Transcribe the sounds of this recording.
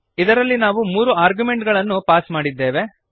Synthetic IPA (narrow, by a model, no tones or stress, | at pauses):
id̪ɐɾɐlːinaːʋumuːɾuaːɾɡjume̞ɳʈɡɐɭɐnːupaːsmaːɽid̪ːeːʋe̞